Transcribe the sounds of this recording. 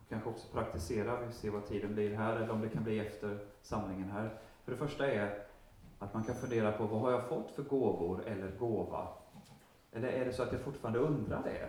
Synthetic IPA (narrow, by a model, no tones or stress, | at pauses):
kʰanɧəɔksɔ̥pʰɾak̚t̪ɪseːɾavɪseːvat̪ʰiːd̪ənblɪɾɦæːɾɛlːəɾɔmd̪ɛkʰanbliːɛft̪əɾsamnɪŋənɦæːɾ | fœɖɛfœʂʈaɛɾ | at̪mankʰanfɵnd̪eːɾapʰɔvaɦaɾjafɔt̪ːfœɾɡoːvʊɾɛlːəɾɡoːva̰ | ʔɛlːəɾʔæɖɛsɔat̪jafʊʈːfɑːɾand̪əɵnd̪ɾa̰ɖɛ̰